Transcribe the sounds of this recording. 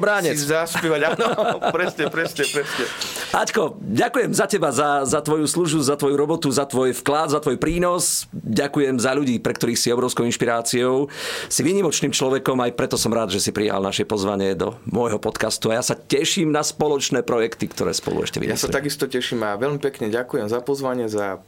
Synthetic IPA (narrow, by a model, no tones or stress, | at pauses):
bɾaːɲɛaspɛʋaɟanɔpɾɛsɲɛpɾɛsɲɛpɾɛsɲɛackɔɟakujɛmzacɛbazazat̪ʋɔjusluʒbuzat̪ʋɔjuɾɔbɔt̪uzat̪ʋɔjfklad̪zat̪ʋɔjpɾiːnɔsɟakujɛmzaʎuɟiːpɾɛkt̪ɔɾiːxsiɔbɾɔʊskɔʊinʃpiɾaːt͡siɔʊsiʋiːɲimɔt͡ʃniːmt͡ʃlɔʋɛkɔmajpɾɛt̪ɔsɔmɾaːd̪ʒɛsipɾija̰lnaʃjɛpɔzʋaɲɪɛd̪ɔ̰mɔjɦɔpɔt̪kast̪uajasacɛʃiːmnaspɔlɔt͡ʃnɛːpɾɔjɛkt̪ikt̪ɔ̰ɾɛ̰ːspɔ̰lṵɛ̰ʃcɛ̰ḭja̰sa̰t̪aɡist̪ɔcɛʃiːmaʋɛʎmipɛkɲɛɟakujɛmzapɔzʋaɲɪɛza